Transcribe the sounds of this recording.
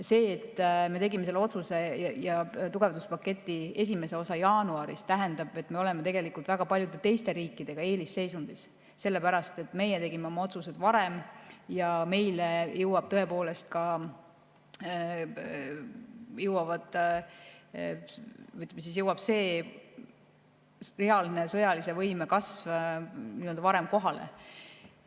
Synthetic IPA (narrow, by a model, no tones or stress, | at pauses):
se̞ːt̪ːme̞t̪e̞ɡimeselːo̞t̪suse̞jɑt̪uɡ̥e̞vd̪uspɑkːet̪ːˑie̞sʲime̞se̞o̞sɑjɑːnuɑɾḭst̪æɦe̞nd̪ɑb̥e̞t̪ːˑme̞o̞lemet̪e̞ɡe̞likult̪væɡ̥ɑpɑlʲjud̪̥e̞t̪e̞jst̪e̞ɾiːkːˑid̪̥e̞ɡ̥ɑe̞ːlisːe̞jsund̪̥is | se̞lːepæɾɑst̪e̞t̪ːˑme̞jet̪e̞ɡimeo̞mɑo̞t̪suse̞d̪̥vɑɾe̞mjɑme̞jlejɤwɑb̥t̪ɤe̞po̞ːle̞st̪̚kɑ | jɤwɑvɑd̪ | ɯjt̪ːˑmes̬is̬jɤwɑb̥se̞ː | re̞ɑline̞sɤ̞jɑlise̞vɤjmekɑsvniːø̞ld̪ɑvɑɾe̞mko̞ɦɑlḛ